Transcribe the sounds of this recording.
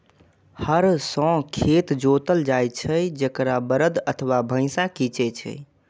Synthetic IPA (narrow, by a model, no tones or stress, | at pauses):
həɾsɔ̃kʰet̪d͡ʒot̪əld͡ʒajt͡ʃʰəjd͡ʒəkɾabəɾəd̪ət̪ʰəwabʱə̃ɪ̃sakit͡ʃɛt͡ʃʰɛ̰